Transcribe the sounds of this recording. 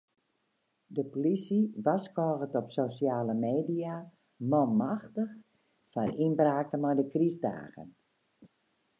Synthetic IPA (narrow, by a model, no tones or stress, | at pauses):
dəpolisiʋaskɔːɣətɔpsosjaːləmeːdia | mɔmaxtəx | faninbraːk̚təmɔjdəkrizda̰ːɣə̰n